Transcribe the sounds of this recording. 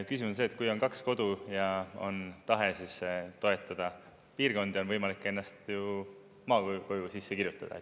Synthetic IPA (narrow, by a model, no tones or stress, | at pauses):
kysimunse̞ːt̪̚kujo̞nkɑksko̞d̪ujɑo̞̰nt̪ɑɦe̞sist̪o̞e̞t̪ːˑɑd̪̥ɑ | piːrɡo̞nd̪io̞nvɤjmɑlikːˑe̞nːɑst̪ju | mɑːkoko̞jusisːekirjut̪ːˑɑd̥̪ɑ̰et̪ːˑ